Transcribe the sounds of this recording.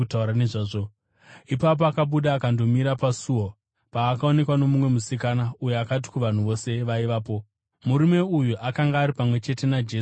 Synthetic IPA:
utauɾaneʐaːʐo | ipap̬oakaɓuɗaːkando̞miɾapasuo | paːkao̞ne̞kwano̞mumwe̞musikanauje̞akat̬i̥kuʋan̤uʋo̞se̞ʋaiʋaːpo̞ | muɾume̞ujuʔakaŋɡaːɾipamwe̞t͡ʃe̞te̞nad͡ʒeː

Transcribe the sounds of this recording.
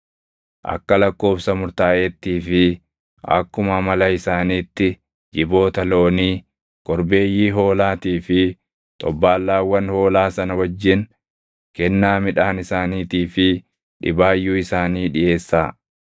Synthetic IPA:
ʔɐ̰kːɐlɐkːo̞ːfsɐmʊɾt̪aːʔɛt̪ːiːfɪ | ɐ̰kːʊmɐmɐlɐɪsaːniːt̪ːɪ | d͡ʒɪbo̞ːt̪ɐlo̞ːniː | kɔɾbe̞ːjːiːɦo̞ːlaːt̪iːfɪ | t̪ʼɔbːaːlːaːwːɐnho̞ːlaːsɐnɐwɐd͡ʒːɪn | kɛnːaːmɪᶑaːnɪsaːniːt̪iːfɪ | ᶑɪbaːjːuːɪsaːniːᶑɪʔe̞ːsːaː

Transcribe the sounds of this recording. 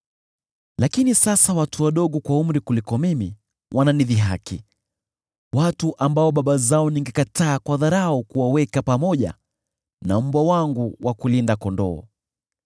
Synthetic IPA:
lakinisasawatuwaɗɔɠɔkwaum̩ɾikulikɔmimi | wʔananiðiɦaki | watuʔambaɔɓaɓazaɔniŋɡɛkataːkwaðaɾaɔkuwawɛkapamɔʄa̰ | nam̩bwawaŋɡuwʔakulindakɔndɔː

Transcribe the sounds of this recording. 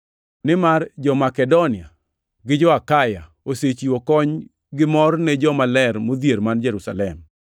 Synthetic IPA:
nɪmard͡ʒɔmakɛdonɪa̰ | ɡɪd͡ʒɔakaja | oset͡ʃiokɔɲ | ɡɪmɔrnɛd͡ʒɔmalɛrmod̪jeɾmand͡ʒɛɾusa̰lɛm

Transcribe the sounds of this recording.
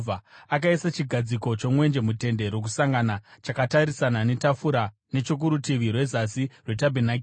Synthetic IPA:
vaak̬aisat͡ʃiɡʱad͡ziko̞t͡ʃo̞mwe̞nd͡ʒe̞mute̞nde̞ɾo̞k̬usaŋɡanat͡ʃakataɾisanane̞tafuɾa | ne̞t͡ʃok̬uɾutiʋirwe̞zasirwetabʱenakː

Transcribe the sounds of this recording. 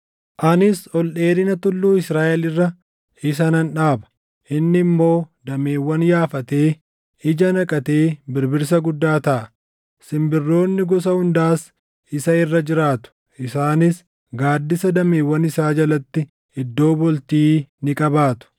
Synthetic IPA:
ʔɐnɪsɔlɗe̞ːɾɪnɐt̪ʊlːuːɪsɾaːʔɛlɪrːɐ | ɪsɐnɐnᶑaːbɐ̥ | ʔɪnːɪmːo̞ːd̪ɐmeːwːɐnjaːfɐt̪e̞ː | ɪd͡ʒɐnɐkʼɐt̪e̞ːbɪɾbɪɾs̬ɐɡʊd̪ːaːt̪ɐʔɐ | sɪmbɪrːo̞ːnːɪɡɔs̬ɐhʊnd̪aːs | ɪsɐɪrːɐd͡ʒɪɾaːt̪ʊ̥ | ʔɪsaːnɪs | ɡaːd̪ːɪsɐd̪ɐmeːwːɐnɪsaːd͡ʒɐlɐt̪ːɪ | ɪd̪ːo̞ːbɔlt̪iːnɪkʼɐbaːt̪ʊ̥

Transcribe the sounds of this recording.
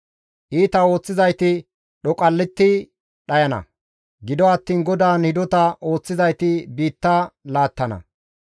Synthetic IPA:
ʔiːt̪ɐo̞ːt͡sːɪzɐjt̪ɪ | ɗɔkʼɐlːɪt̪ːɪ | ɗɐjɐnɐ̰ | ɡɪd̪ɔɐt̪ːiːnɡɔd̪aːnhɪd̪ɔt̪ɐʔo̞ːt͡sːɪzɐjt̪ɪbiːt̪ːalaːt̪ːɐnɐ̰

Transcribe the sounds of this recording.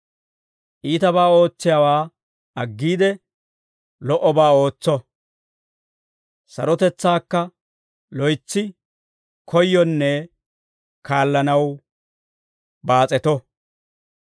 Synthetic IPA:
ʔiːt̪ɐbaːo̞ːt͡sːɪjawaː | ɐɡːiːd̪ɛ | lɔʔɔbaːo̞ːt͡sːɔ | sɐ̰ɾɔt̪ɛt͡sːaːkːɐ | lɔjt͡sːɪ | kʰɔjːɔnːɛ | kaːlːɐnɐw | baːt͡sʼɛt̪ɔ

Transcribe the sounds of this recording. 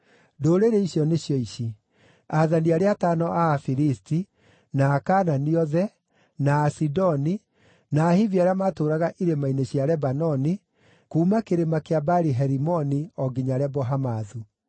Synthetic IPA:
doːɾeɾeiɕjɔneɕjɔiɕi | aðaniaɾeatanɔʔafiɾisti | naːkananiɔðɛ | naːsidɔni | naːhiviaɾeamaːtoːɾaɣaʔiɾemaineɕjaɾɛbanɔni | kuːmakeɾemakeabaɾiɦɛɾimɔniɔɡiɲaɾɛbɔɦamaðu

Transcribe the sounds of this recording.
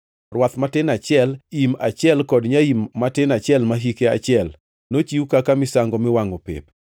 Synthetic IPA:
rwat̪matɪnat͡ʃjɛlimat͡ʃɪɛlkɔdɲaimːatɪnat͡ʃjɛlmaɦikea̰t͡ʃɪɛl | not͡ʃiukakamɪsaŋɡɔmɪwaŋopḛp̚

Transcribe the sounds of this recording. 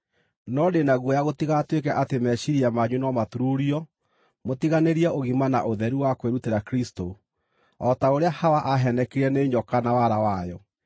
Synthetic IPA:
nɔdenaɣwɔjaɣotiɣatwekɛʔatemɛʃiɾiamaɲunɔmatuɾuɾiɔ | motiɣaneɾiaʔoɣimana̰ʔoðɛɾuwakweɾuteɾakɾisto | ɔtaoɾeahawaʔaɦɛnɛkeɾiɛneɲɔkanawaɾawajɔ

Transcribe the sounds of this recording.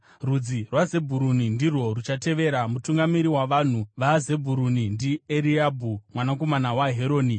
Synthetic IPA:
rud͡zirwaze̞bʱuɾunindirwo̞rut͡ʃate̞ʋe̞ɾamutuŋɡamiɾiwaʋan̤uʋaze̞bʱuɾunindieɾiabʱumwanako̞manawaɦeɾo̞ːni

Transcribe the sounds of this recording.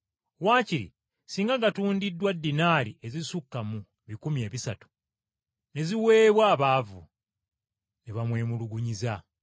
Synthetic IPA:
waːciɾḭ | siːŋɡaŋɡatuːndidːwadːinaːɾie̞zisukːamu | βikumie̞ːβisatu̥ | ne̞ziwe̞ːβwaːβaːvṵ | neβamwe̞ːmuluɡuɲiza

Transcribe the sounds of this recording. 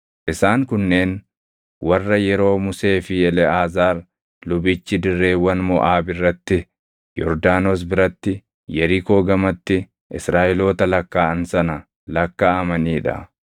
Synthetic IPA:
ʔɪsaːŋkʊnːe̞ːn | wɐrːɐjɛɾo̞ːmʊse̞ːfɪɛlɛaːzaːɾ | lʊbɪt͡ʃːɪd̪ɪrːe̞ːwɐnmɔʔaːbɪrːɐt̪ːɪ | jɔ̰ɾd̪aːnoːs̬bɪɾɐt̪ːɪ | jɛɾɪko̞ːɡɐmɐt̪ːɪ | ʔɪsɾaːʔɪlo̞ːt̪ɐlɐkːaːɐnsɐnɐ | lɐkːaːɐmɐniːᶑɐ̰

